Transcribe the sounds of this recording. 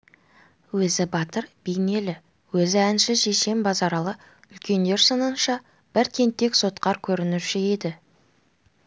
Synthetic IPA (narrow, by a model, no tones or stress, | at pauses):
wɵzɪbɑt̪əɾb̥ejne̞lɪ | wɵzɪænʃɪʃe̞ʃe̞mbɑzɑɾɑlˠə | ʏlkʲe̞nd̪e̞ɾsənənʃɑ | b̥ɪɾt̪ʰe̞nt̪ːe̞kso̞t̪qɑɾkʲʰɵɾɪnɪʃɪe̞d̪ɪ